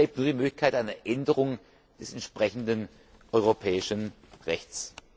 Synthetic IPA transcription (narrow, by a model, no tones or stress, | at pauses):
eːp̚tnuːɐdiːmøːklɪçkʰaɪtʔaɪnɐʔɛndəʁ̞ʊŋ | d̥ɛsɛntʃpʁ̥ɛçn̩dən | ʔɔʏʁopʰɛːɪʃən | ʁɛçt͡s